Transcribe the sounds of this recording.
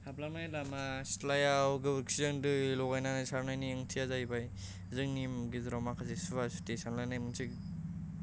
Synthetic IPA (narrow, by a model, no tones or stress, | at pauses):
hablamajlamastlajawɡɯbɯɾksizɯŋdɯlɔɡajnanasaɾnajniɯŋtʰiazajbaj | zɯŋnimɡizɾamakʰazesuβasu̥tesanlanajmɯnsik